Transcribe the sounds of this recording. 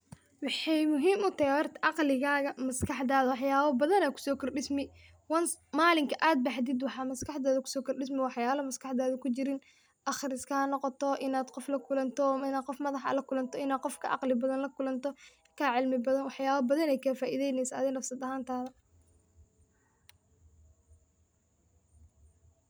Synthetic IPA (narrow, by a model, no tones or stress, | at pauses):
wɑħɑjmʊɦiːmʊt̪ɐhɛwɔrt̪ʰɐʔɑqlɪɣaːɣɐmɐskʰɑħd̪aːðɐwɑħjaːβɐbɐðɐnɛːkʰʊ̥sɔːkʰɔrɖɪsmɪ | wɐnsmaːlɪŋkʰɐʔaːd̪̚bɑħd̪ɪd̪wɑħɑːmɐskɑħðɔːðɐkʰʊ̥sɔːkʰɔrɖɪs̬mɪwɑħjaːlɐmɐskɑħd̪aːðɐkʰʊt͡ʃɪɾɪn | ʔɑχɪɾɪskʰɐhɐnɔqɔt̪ʰɔʔɪnaːd̪qɔflɐkʰʊlɐnt̪ʰɔɪnaːqɔfmɐðɑħɐ̰lɐkʰʊlɐnt̪ʰɔɪnaːd̪̚qɔfkʰɐ̰ʔɑ̰qlɪbɐðɐnlɐkʊlɐnt̪ʰɔ | kʰaːʕɪlmɪbɐðɐnwɑħjaːβɐbɐðɐnɛjkʰafaːʔiðɛjnɛjsɐɐ̰ðɛnɐfsɐd̪ɐɦaːnt̪ʰaːðɐ